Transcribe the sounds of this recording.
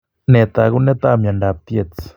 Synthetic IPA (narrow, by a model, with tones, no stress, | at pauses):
ne˧t̪a˧ɡu˦ne˦t̪a˦˧mja˨nda˨p̚t̪je˧t͡s